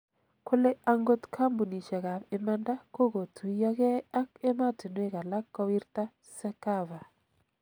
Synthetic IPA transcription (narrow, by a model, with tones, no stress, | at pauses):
kʊ˦le˦a˦ŋɡo˦tkʰa˦mbu˨ni˨ʃɛ˨ka˨pe˨˦ma˦nda˦ko˦ko˨tʰu˨i˦jɔ˦kɛ˦a˦ke˦ma˦ti˨nwe˦˨ka˨la˦kːɔ˦wi˦rta˦ | sɛ˦ka˦va˨